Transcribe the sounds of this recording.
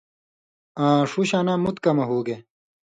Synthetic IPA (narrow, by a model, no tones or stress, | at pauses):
ãːʂuɕaːnãːmut̪kɐmɐɦoːɡe